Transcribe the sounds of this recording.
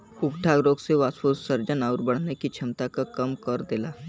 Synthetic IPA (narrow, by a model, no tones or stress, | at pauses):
ʊɡʈʰaɡɾoːɡseʋaːspusəɾd͡ʒənaːʊɾbəɽ̤nekit͡ʃʰɪmt̪akakɐmkɐɾd̪elaː